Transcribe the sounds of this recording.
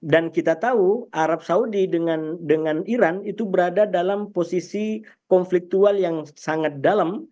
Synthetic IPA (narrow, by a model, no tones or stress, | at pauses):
dankit̪at̪auʔaɾap̚saudidəŋandəŋaniɾanit̪ubəɾadadalamposisikɔnflik̚t̪ualjaŋsaŋat̪̚dalam